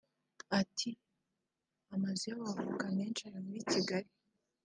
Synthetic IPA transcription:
atʰi | amazijawavukaneːnt͡ʃaɾamuɾit͡ʃiɡaɾi

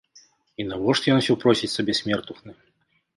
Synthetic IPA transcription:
inɐvɔʂt̪jɔnsʲɔwpɾɔsʲit͡sʲsɐbʲɛsʲmʲɛrt̪uxnɨ

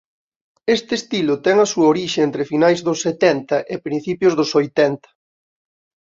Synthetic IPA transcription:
est̪est̪ilʊt̪ɛŋɐsuɐoɾiʃeent̪ɾɪfinajzðʊsːet̪ɛnt̪ɐʔɪpɾĩn̟θipjʊzðʊsojt̪ɛnt̪ɐ̥

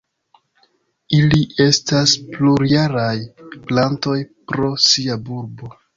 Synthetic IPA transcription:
iliʔe̞staspluɾijaɾajplanto̞jpɾo̞siabuɾbo̞

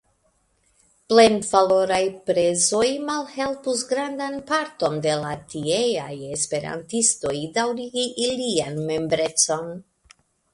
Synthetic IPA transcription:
ple̞nvalo̞ɾajpɾe̞zo̞jmalhe̞lpusɡɾandanpaɾto̞nde̞latiejaje̞spe̞ɾa̰ntisto̞jdawɾiɡiʔilianme̞mbɾe̞t͡so̞n

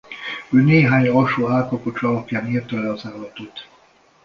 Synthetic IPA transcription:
øːneːɦaːɲɒʃoːaːlkɒpot͡ʃɒlɒpjaːniːrt̪ɒlɛɒzaːlːɒt̪ot̪

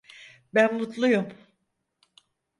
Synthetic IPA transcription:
bænmut̪lˠujum

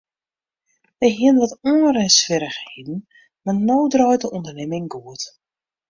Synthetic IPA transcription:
ʋɛjɦiənʋɔtɔərɛnsʋɪɾəxhedn̩ | manowdrɔjtəʔɔndərnɪmɪŋɡuət

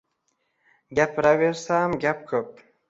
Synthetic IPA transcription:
ɡʲæpɾaveɾsamɡʲap̚kʰɵp̚

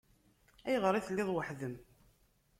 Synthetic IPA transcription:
æjʁəɾˤiθlːɪðˤwəħðəm

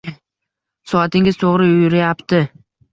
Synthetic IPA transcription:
sɒat̪ɪŋʲɪzt̪ʰoʁɾɪʊjɾajapt̪ɪ

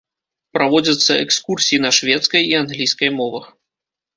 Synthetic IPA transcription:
pɾavɔd͡zʲɐt̪sːɐɛkskursʲijinɐʂvʲɛt̪skɐjianɣlʲijskɐjmɔvɐx

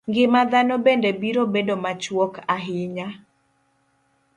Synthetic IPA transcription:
ŋɡɪmad̪anɔbendebiɾobedomat͡ʃwɔkaɦɪɲa

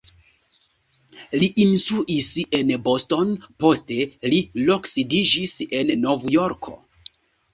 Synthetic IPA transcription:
liʔinsuʔise̞nbo̞sto̞npo̞ste̞lilo̞ksidid͡ʒise̞nːo̞vjo̞ɾkʰo̞̰

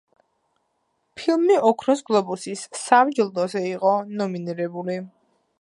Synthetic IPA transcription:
pʰilˠmiɔkʰɾɔsɡlˠɔbusisːamd͡ʒilˠd̪ɔzɛiqʼɔnɔminiɾɛbuli

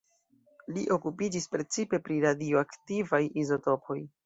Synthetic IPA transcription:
liʔo̞kupid͡ʒispɾe̞t͡sipe̞pɾiɾadioaktivajizo̞to̞pʰo̞j

